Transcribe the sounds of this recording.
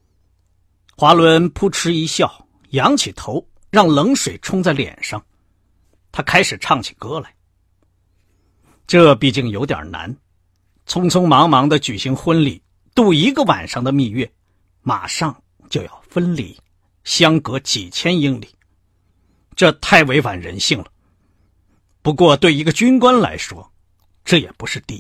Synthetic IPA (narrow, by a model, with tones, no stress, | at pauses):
xwa˧˥lwə˧˥npʰu˥˩ʈ͡ʂʰɻ̩˥i˧˥ɕjɑ˥˩ʊ | jɑ˧˥ŋt͡ɕʰi˨˩t̪ʰo˧˥ʊ | ɻɑ˥˩ŋlɤ˧˥ŋʂwe˨˩ɪʈ͡ʂʰʊ˥ŋt͡sa˥˩ɪljɛ̰˨˩nʂɑ˥˧ŋ | t̪ʰa˥kʰa˥ɪʂɻ̩˨˩ʈ͡ʂʰɑ˥˩ŋt͡ɕʰi̥˨˩kɤ˥la˨˩ɪ | ʈ͡ʂɤ˥˧pi˥˧t͡ɕi˥˩ŋjo˧˥ʊt̪jɑ̰˨˩na̰˧˥n | t͡sʰʊ˥ŋt͡sʰʊ˥ŋmɑ˧˥ŋmɑ˧˥ŋd̪ə˧t͡ɕy˨˩ɕi˧˥ŋxwə˥nlḭ˨˩˦ | t̪u˥˩i˧˥ɡə˧wa̰˨˩nʂɑ˥˩ŋd̪ə˨mi˥˧ɥɛ˥˩ | ma̰˨˩ʂɑ˥˧ŋ | t͡ɕjo˥˧ʊjɑ˥˩ʊfə˥nlḭ˨˩˦ | ɕjɑ˥ŋkɤ˧˥t͡ɕi˨˩t͡ɕʰjɛ˥ni˥ŋli˨˩˦ | ʈ͡ʂɤ˥˧t̪ʰa˥˩ɪwe˧˥ɪfa˨˩nɻə̰˧˥nɕi˥˩ŋlə˩ | pu˧˥kwɔ˥˧t̪we˥˩ɪi˧˥ɡə˧t͡ɕy˥nkwa˥nla̰˧˥ɪʂwɔ̰˥ | ʈ͡ʂɤ˥˩jɛ̰˨˩pu˧˥ʂɻ̩˥˧t̪i˥˩